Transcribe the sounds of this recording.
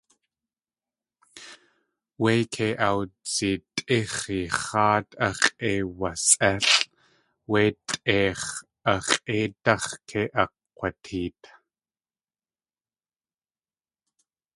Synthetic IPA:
wejkʰeʔawt͡sit̪ʼiχiχɑːt̪ʰɐχʼewasɛɬ | weːt̪ʼeːχ | ʔɐχeːt̪ɐχkʰeʔɐ | qʷatʰiːt̪

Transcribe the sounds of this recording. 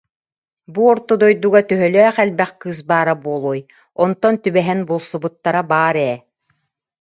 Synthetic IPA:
buɔɾt̪ɔd̪ɔjd̪uɡat̪yɦœlœːχɛlbɛχkɯːs̬baːɾabuɔlˠuːj | ɔnt̪ɔnt̪ybɛɦɛnbulˠsubut̪ːaɾabaːɾɛː

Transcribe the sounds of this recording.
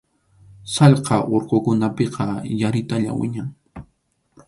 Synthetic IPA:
sɑʎqɑʔoɾqokʊnapeqɑjaɾɪt̪aʎa̰wɪ̰ɲaŋ

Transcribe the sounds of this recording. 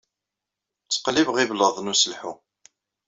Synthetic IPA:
t͡sːə̥qlivʁivləðˤnusəlħu

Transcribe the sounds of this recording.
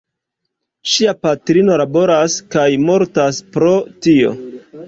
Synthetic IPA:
ʃiapatɾino̞labo̞ɾaskajmo̞ɾtaspɾo̞tio̞̰

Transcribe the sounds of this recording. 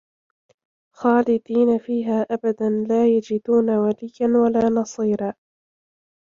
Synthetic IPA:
xaːlɪd̪iːnafiːɦaːʔabad̪anlaːjad͡ʒɪd̪uːnawalɪjanwalaːnɑsˤiːɾaː

